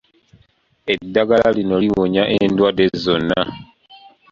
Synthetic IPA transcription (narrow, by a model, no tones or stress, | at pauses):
edːaɡalalino̞liwoɲaʔendwadezo̞nːa